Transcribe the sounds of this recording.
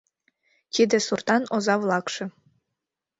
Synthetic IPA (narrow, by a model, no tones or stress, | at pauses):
t̪id̪esurt̪ɑnozɑvlˠɑkʃĕ